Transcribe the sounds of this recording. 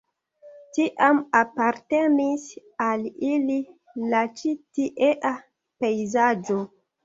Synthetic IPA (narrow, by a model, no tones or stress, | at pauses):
tiʔamapaɾte̞nis | alili | lat͡ʃitiʔeʔa | pejzad͡ʒo